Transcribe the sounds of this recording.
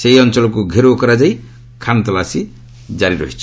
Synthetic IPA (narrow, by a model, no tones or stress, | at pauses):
seɦiɔnt͡ʃɔlɔkuɡʱeɾokɔɾad͡ʒaj | kʰant̪ɔlasi | d͡ʒaɾiɾɔ̰ɦit͡ʃʰi